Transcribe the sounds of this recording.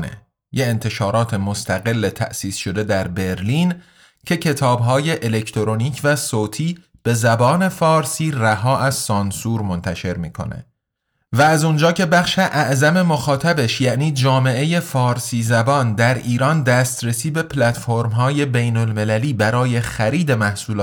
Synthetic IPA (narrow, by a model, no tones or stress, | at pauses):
nḛ | jeent̪ʰe̞ʃɒːɾɒːt̪ʰe̞most̪ʰæɣe̞lːet̪ʰæ̰ʔsiːsʃo̞d̪e̞d̪æɾbe̞ɾliːn | cʰe̞cʰe̞t̪ʰɒːbɦɒːje̞ʔele̞cʰt̪ʰoɾoniːcʰvæsoːt̪ʰiː | b̥e̞zæbɒːne̞fɒːɾsiːræɦɒːʔæz̥sɒnsuːɾmo̞nt̪ʰæʃe̞ɾmiːkʰo̞̰nḛ | vææzund͡ʒɒːcʰe̞bæχʃe̞ʔæʔzæme̞moxɒːt̪ʰæbe̞ʃjæʔniːd͡ʒɒːme̞ʔe̞je̞fɒːɾsiːzæbɒːnd̪æɾiːɾɒːnd̪æːst̪ɾesiːbe̞pʰlæt̪foɾmɦɒːje̞be̞jno̞lme̞læliːbæɾɒːje̞xæɾiːd̪e̞mæhsuːlː